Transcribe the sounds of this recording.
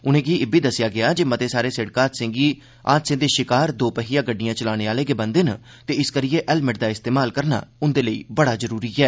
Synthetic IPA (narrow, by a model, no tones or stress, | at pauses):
ʊnẽːɡiːɪbiːd̪əsɪjaːɡɪaːd͡ʒeːmət̪eːsaːɾeːsɪɽkaːt̪sɪ̃ŋɡiː | a̰ːt̪sɪ̃ŋd̪eːʃɪkaːɾd̪oːpəɦiːjãːɡəɖːɪjãːt͡ʃəlaːneːaːleːɡeːbə̃nd̪eːna | t̪eːɪskəɾɪeːʔɛlmɪʈ̚d̪aːɪst̪eːmaːlkəɾna̰ːʊnd̪eːləḭːbəɽaːzəɾuːɾiːɛː